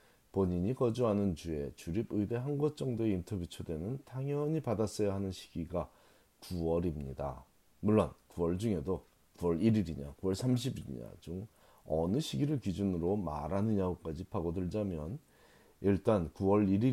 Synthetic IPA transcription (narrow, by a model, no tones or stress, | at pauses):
poɲiɲikʌd͡ʑuɦanɯnd͡ʑue̞t͡ɕuɾibɯibe̞ɦanɡwʌt͡ɕ͈ʌŋdoe̞intʰʌbjut͡ɕʰodwe̞nɯntʰaŋjʌɲipadas͈ʌjaɦanɯnɕʰi̥ɡ̥iɡa | kuʌɾimɲḭda̰ | muɭːʌnkuʌɭd͡ʑuŋe̞do | kuwʌɾiɾiɾiɲa̰kuwʌɭsʰamɕ̬ʰibiɾḭɲa̰t͡ɕom | ʌnɯɕʰiɡiɾɯɭkid͡ʑunɯɾoma̰ɾanɯɲaɡok͈ad͡ʑipʰaɡodɯɭd͡ʑamjʌn | iɭt͈ankuwʌɭiɾi